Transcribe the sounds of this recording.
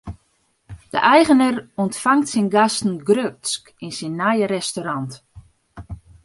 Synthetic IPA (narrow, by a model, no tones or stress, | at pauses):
d̥ə̰ʔɛjɣənərɔntfaŋtsɪnɡastn̩ɡrøsk | insinːajəɾɛstoɾɑnt